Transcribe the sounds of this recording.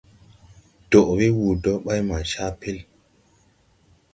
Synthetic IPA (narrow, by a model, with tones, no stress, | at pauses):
d̥o˨ʔɾi˦wu˨dɔ˦ɓa˦jma˨ʃa˦pe˦l